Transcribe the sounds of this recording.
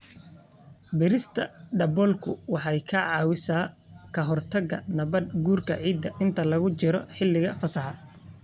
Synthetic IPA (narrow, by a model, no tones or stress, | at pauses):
bɪɾɪst̪ʰɐɖɐbɔlkʰʊwɑħɑjkʰɐʕɑːwɪsaː | kʰɐɦɔrt̪ʰɐɣɐ̰nɐβɐd̪̚ɡuːrkʰɐ̰ʕiːd̪ːɐʔɪnt̪ʰɐlɐɣʊt͡ʃɪɾɔħɪlːɪɣɐfɐsɑħɑ